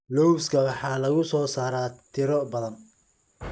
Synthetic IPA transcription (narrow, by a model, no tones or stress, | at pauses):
lɔwskʰɐwɑħɑːlɐɣʊsɔːsaːɾaːt̪ʰɪɾɔbɐðɐn